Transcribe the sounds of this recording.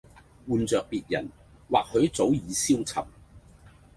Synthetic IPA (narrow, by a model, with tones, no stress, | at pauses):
wuː˨nt͡sœː˨k̚piː˨t̚jɐ˨˩n | wa̰ː˨k̚hɵ˨˧ɥt͡so˨˥wjiː˨˧siː˥wt͡sʰɐ̰˨p̚